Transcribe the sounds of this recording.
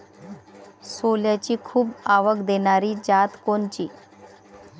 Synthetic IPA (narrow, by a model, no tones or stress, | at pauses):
soljat͡ɕiːkʰuːbaʋəkd̪eɳ̃aɾiːd͡ʑat̪koɳt͡ɕiː